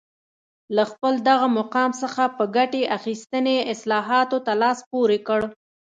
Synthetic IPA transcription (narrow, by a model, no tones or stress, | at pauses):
laxpəld̪aɣamaqɑmsəxapəɡaʈeʔaxist̪əneɪslɑɦɑt̪ot̪alɑspoɾekəɽ